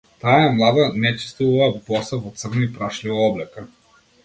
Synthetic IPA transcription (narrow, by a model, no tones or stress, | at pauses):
t̪aɛmlˠad̪anɛt͡ʃi̥st̪uvuvɐvɔsavɔt̪srnipɾaʃlivaɔblɛka